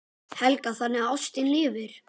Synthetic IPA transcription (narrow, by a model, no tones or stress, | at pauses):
hɛlkaθanːɪɣaawst̪ɪnlɪːvɪɾ̥